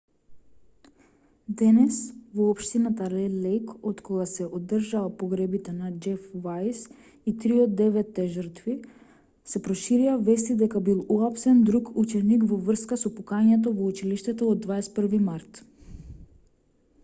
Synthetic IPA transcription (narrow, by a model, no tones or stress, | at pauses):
d̪ɛnɛsvɔːpʃt̪inat̪alɛlɛjkot̪kɔɡasɛʔod̪ːrʒaapɔɡɾɛbit̪ɛnad͡ʒɛfvajs | it̪ɾiod̪ɛvɛt̪ːɛʒəɾt̪vi | sɛpɾɔʃiɾiavɛst̪id̪ɛkabilˠuapsɛnd̪ɾukut͡ʃɛnikvɔvr̩skasɔpukaɲɛt̪̬ɔvɔut͡ʃiliʃt̪ɛt̪ɔod̪ːvaɛst̪̚pr̩vimaɾt̪